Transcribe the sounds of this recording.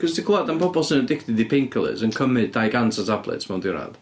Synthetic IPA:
kʰɔsdikʰɔadanpʰɔbɔlˠsənədɪktɪdipʰɪŋkʰəlˠɪ̰zənkʰəmɪddajɡantʰatʰablɛ̰tsmawndɪɾa̰ð

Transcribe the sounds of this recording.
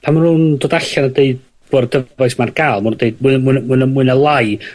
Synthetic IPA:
pʰanmanhundoːdaɬanədeɨd̚ | b̥oːrdəvajsmarɡ̥aːlˠmand̥eɨd̚mɨmnmuɨnmuɨnəlˠaj

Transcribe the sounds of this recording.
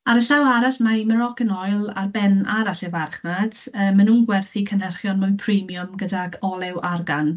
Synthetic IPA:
aɾəɬawaɾaɬmaiməɾɔɡənɔjlˠa̰rbɛnaɾaɬɛvarχnad̥əːmːanuːnɡwɛrθikʰənɛrχjɔnməwnpʰrimjʊmɡədaɡɔlˠɛwʔarɡan

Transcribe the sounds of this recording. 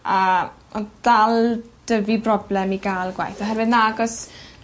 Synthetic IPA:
a | ɔd̥alˠd̥əvibrɔblɛmiɡaːlˠɡwa̰jθɔɦɛɾwɨdnaaɡɔs

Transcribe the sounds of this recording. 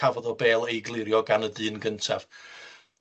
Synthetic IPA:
avɔðɔbeːlˠejɡlˠɪɾjɔɡanədɨːnɡəntʰav̥

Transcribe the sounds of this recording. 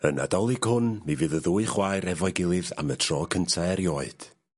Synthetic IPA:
əna̰dɔlˠɨɡ̥hʊnmivɨðəðuːɨχwajɾɛvɔɨɡɪlˠɨða̰mətʰr̥ɔːkʰəntʰaɛɾjɔːɨd̥

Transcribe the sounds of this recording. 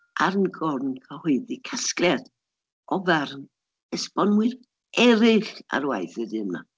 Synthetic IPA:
ʔarnɡɔrnkʰəhʊɨdikʰasklɛd̥ | ɔvɛrn | əspɔnmwɨr | ɛɾɪɬa̰ɾwajθɨdɨmna̰

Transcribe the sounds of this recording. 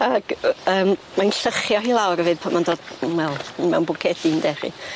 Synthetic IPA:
aɡ̥əːm | manɬəχjɔɦilˠawɾəvɨːðpʰamandoːd̥wɛlˠmɛ̰wnbʊkʰɛdindɛχḭ

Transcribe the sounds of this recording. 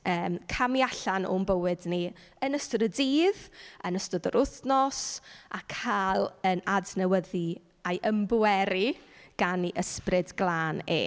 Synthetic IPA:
əːmkʰamjaɬano̰mbəwɨdni | ənəstʊdədiːðənəstʊdəɾʊθnɔsʔa̰kʰaːlˠənadnəwəði | ajʔəmbuwɛɾiɡ̥aniʔəsprɪdɡ̥lˠaːnḛː

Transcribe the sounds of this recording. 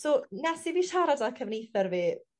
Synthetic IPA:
sonɛsiviːʃaɾadakʰəvnejθɔrviː

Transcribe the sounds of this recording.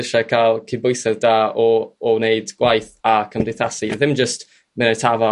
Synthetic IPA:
ɪʃakʰalˠkʰibʊjsɛvdaːɔːneɨdɡ̥wajθakʰəmdɪjθasiðɪmd͡ʒəst | mɪnatʰavɔ

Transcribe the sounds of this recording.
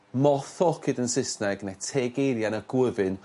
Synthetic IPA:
mɔθɔkʰɪdənsɪsnɛɡnetʰeɡejɾjanəɡ̥wəvɨn

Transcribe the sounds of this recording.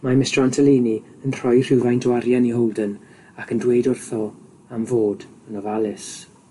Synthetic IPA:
mamɪstrantʰəliːni | ənr̥ɔjr̥ɪwvajndwaɾjaniɦɔwlˠdən | akʰəndwejdʊrθɔ | amvoːdənɔvalˠɪs

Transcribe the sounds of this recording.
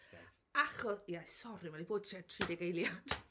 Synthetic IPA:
aχɔsiajssɔɾimɛlˠiboːd̥̚tʰɛtʰridɛɡejlˠjad̥

